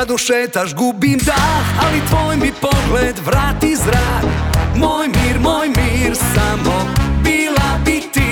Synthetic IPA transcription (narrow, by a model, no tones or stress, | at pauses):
d̪uʃɛt̪aʒɡubimd̪aalit̪ʋoːjmipoɡled̪ʋɾaːt̪izɾaːɡmojmiːɾmojmiɾsamobilabit̪i